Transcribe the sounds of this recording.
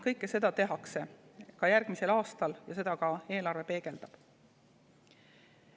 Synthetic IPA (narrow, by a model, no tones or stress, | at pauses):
kɤjkːˑese̞d̪̥ɑt̪e̞ɦɑkse̞kɑjæɾɡ̥mise̞lɑːst̪ɑljɑse̞d̪̥ɑkɑe̞ːlɑrve̞pe̞ːɡ̥e̞ld̪ɑb̥